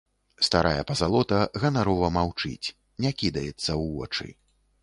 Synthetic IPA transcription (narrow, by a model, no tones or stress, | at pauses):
st̪aɾajɐpɐzalˠɔt̪ɐɣɐnaɾɔvɐmawt͡ʂɨ̰t͡sʲ | nʲakʲid̪ɐjɛt̪sːɐwvɔ̰t͡ʂɨ̰